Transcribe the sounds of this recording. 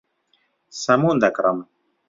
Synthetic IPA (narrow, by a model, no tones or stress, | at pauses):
sɐmund̪akɾam